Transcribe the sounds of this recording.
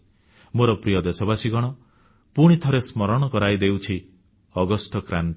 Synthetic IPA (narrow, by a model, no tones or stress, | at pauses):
moɾɔpɾijɔd̪esɔbasiɡɔɽ̃ɔ | puɽ̃it̪ʰɔɾesmɔɾɔɽ̃ɔkɔɾajd̪ewt͡ʃʰi | ɔɡɔsʈɔkɾant̪